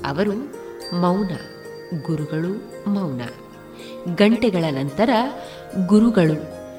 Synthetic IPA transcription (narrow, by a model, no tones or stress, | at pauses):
ɐ̰ʋɐɾumɐwnɐ̰ | ɡuɾuɡɐɭu | mɐwnɐ̰ | ɡɐɳʈɛɡɐɭɐnɐnt̪ɐɾɐ | ɡuɾuɡɐɭu